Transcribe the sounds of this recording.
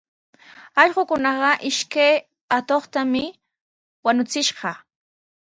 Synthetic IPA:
ɑʎɢʊkʊnɑɢɑʔɪʃkaj | at̪oχt̪amɪ | wanʊt͡sɪʃɢɑ

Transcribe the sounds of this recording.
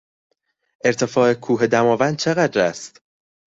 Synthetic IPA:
ʔe̞ɾt̪ʰe̞fɒːekʰuːɦed̪æmɒːvænd̪̚t͡ʃʰe̞ɣæd̪ɾæst̪

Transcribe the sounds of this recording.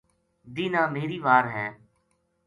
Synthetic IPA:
d̪iːnãːmeːɾiːʋaːɾɦɛ̃ː

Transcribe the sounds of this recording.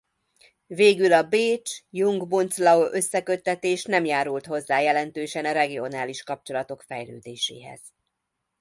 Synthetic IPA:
veːɡylɒbeːt͡ʃjuŋɡmunslɒoʔø̞sːɛkø̞t̪ːɛt̪eːʃn̪ɛmjaːɾult̪ho̞zːaːjɛlɛnt̪øːʃɛnɒɾɛɡio̞naːliʃkɒp̚t͡ʃo̞lɒt̪o̞kfɛjlø̰ːd̪eːʃḛːɦɛ̰z̥

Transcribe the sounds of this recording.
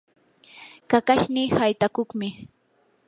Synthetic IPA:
kakaʃniːhajt̪akʊχmɪ

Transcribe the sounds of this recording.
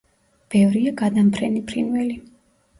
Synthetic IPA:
b̥ɛvɾiaɡad̪ampʰɾɛnipʰɾinvɛli

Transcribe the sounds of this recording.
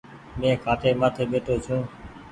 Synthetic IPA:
mẽːkʰaːʈeːmaːt̪ʰeːɓeːʈʰoːt͡ʃʰũː

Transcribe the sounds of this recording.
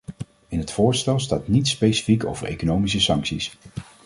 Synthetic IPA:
ɪnɦətfʊːɹstɛlˠstaːtnitspejsi̥fiko̰wv̥əɹʔḛjkonowmis̬əsɑŋksis

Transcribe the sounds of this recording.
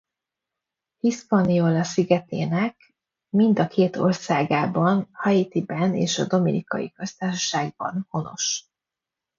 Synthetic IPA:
hispɒniolɒsiɡɛt̪eːnɛk | mind̪ɒkʰeːt̪o̞̰rsaːɡaːbɒnhɒjit̪ibɛnḛːʃɒ̰d̪o̞mḭnikɒ̰jḭkø̞st̪aːʃɒ̥ʃaːɡ̚bɒ̰nho̞no̞̰ʃ

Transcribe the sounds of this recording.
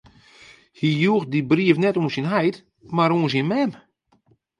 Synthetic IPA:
hijux̚dibriəfnɛtuːnsinɦɛjt | maɾuːəns̬inmɛm

